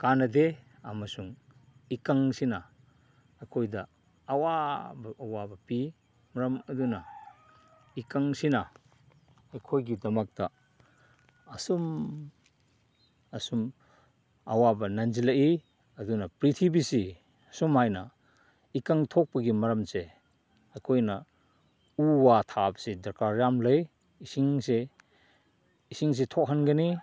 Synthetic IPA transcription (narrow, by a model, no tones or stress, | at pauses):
kanɐde | ɐmɐsuŋ | ikaŋsinɐ | ɐjkʰojdɐː | wabɐːwabɐpi | mɐɾɐmɐdunɐ | ikaŋsinɐ | ɐjkʰojɡidɐmɐk̚tɐ | ɐsum | ɐsum | ɐwabɐnɐnd͡ʒilɐʔi | ɐdunɐpɾit̪ʰibisi | ɐsumhajnɐ | ikaŋt̪ʰɔk̚pɐɡimɐɾɐmse | ɐjkʰojnɐ | uwat̪ʰabsedɐɾkaɾjamlɐj | isiŋse | isiŋs̬etʰɔk̚ɦanɡɐni